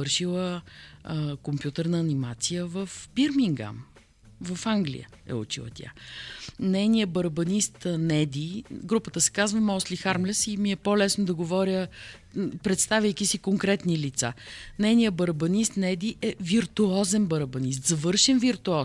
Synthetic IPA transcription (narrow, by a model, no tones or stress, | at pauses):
ɤɾʃilˠə | kompjut̪əɾnəːnimat̪sijəvəfbiɾmiŋɡa̰m | vəfaŋɡlḭjə̰ | ɛ̰ṵt͡ʃilˠə̰t̪ʲa̰ | nɛjnijəbɐɾbɐnist̪nɛd̪iɡɾupət̪əsɛ̥kazvəmɔslixaɾmlɛsimiɛpolɛsnod̪ɐɡovɔɾʲə | pɾɛt̪st̪avʲjəjk̟ʲisikoŋkɾɛt̪nilit̪sa̰nɛjnijəbɐɾbɐnist̪nɛd̪iʔɛviɾt̪uɔzɛnbɐɾəbɐnis̬t̪zɐvɤɾʃɛnviɾt̪uɔ